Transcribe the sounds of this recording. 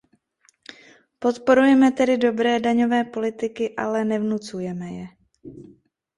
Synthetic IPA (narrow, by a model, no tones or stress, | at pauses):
po̞t̪po̞ɾujɛmɛt̪ɛdɪdo̞bɾɛːdaɲo̞vɛːpo̞lɪt̪ɪkɪʔalɛnɛvnut͡sujɛmɛjɛ